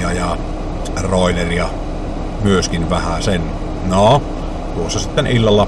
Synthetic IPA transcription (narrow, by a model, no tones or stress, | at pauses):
ɑjɑ | roˑeleriɑ | myøskinʋæhæsen | no | t̪uosːɑsit̪ːenilːɑlːɑ